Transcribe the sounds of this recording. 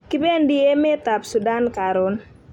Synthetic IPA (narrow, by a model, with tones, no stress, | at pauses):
kɪ˦be˦ndɪ˦e˦me˦t̪a˨psu˨da˦nka˨ɾʊ˦n